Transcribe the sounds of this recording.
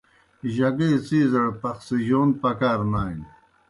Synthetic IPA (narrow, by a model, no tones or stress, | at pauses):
ʑɐɡet͡siːzɐɽpɐxsiʑoːnpɐkaːɾnaːin